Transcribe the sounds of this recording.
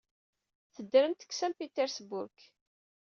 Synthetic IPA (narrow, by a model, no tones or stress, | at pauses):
θəd̪ːɾəmt̪ə̥ksæmpit̪ːeɾsbʊɾk